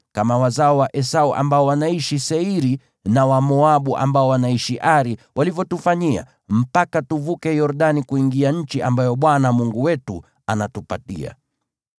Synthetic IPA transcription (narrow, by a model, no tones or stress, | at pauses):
kamawazaɔwaʔɛsauʔa̰mbaɔwanaiʃisɛiɾi | nawamɔaɓuʔa̰mbaɔwanaiʃiʔaɾiwʔalivjɔtufaɲia̰ | m̩pakatuvukɛjɔɾɗanikuiŋɡiaɲ̩t͡ʃiʔambajɔɓwanamuŋɡuwɛtu | anatupa̰tḭa̰